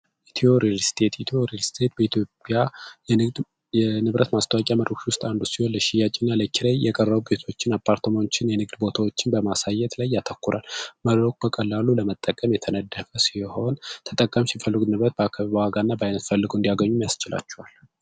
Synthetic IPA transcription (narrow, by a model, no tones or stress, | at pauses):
ɛt̪ʰioɾilst̪ʰe̞t̪jt̪ʰioɾlst̪ʰe̞t̪̚bəit̪ʰjopʼjaɛɨd̪ | ɛnɨβɾʔət̪mast̪ʰəwakʼjaməɾokʃwʊst̪ʼand̪usiho̞nləʃɪjat͡ʃʼinːaləkʰːiɾajjɛkʼərːəβube̞t̪ʰo̞t͡ʃːɪnapʰːaɾt̪ʰəmot͡ʃːɪnjɛnɨɡd̪bo̞t̪ʰawo̞t͡ʃːɪnbəmasajːɛt̪lajːat̪ʰəkːuɾʔa̰lməɾok̚bəkʼəlːaluləmət̪ʼːəkʼəmjɛt̪ʰənəd̪ːəfəsiho̞nt̪ʰə̥t̪ʼəkʼːəmsifəlːɨɡnɨβɾət̪̚bəakʰːaβibəwaɡanːabəajnət̪fəlːɨɡoɨnd̪ijaɡəɲːumjast͡ʃɪla̰t͡ʃːɛhal